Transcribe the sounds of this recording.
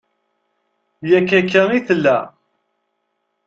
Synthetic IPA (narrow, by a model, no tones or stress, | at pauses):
jækːækːæniθəlːæ